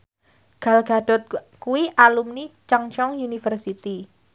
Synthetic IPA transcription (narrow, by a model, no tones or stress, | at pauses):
ɡ̥a̤lɡ̥a̤ɖ̥ɔ̤t̪̚kuwiʔalumnit͡ʃaŋt͡ʃɔŋjunifərsit̪i